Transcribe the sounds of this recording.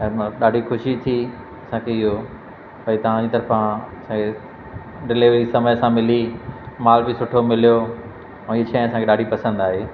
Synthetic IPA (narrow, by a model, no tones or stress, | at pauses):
ɛ̃ːmɗaːɖʱixʊʃit̪ʰi | ɐsãkʰeɪɦo | pɐit̪ɐʋ̤ãd͡ʑiːt̪ɐɾfãɐsãkʰe | ɖɪleʋisɐməjsãmɪlimaːlbɪsʊʈʰomɪlijo | ɛ̃ːɪɦet͡ɕʰaːĩɐsãŋkʰeɗaːɖʱipɐsə̃nd̪aːɦeː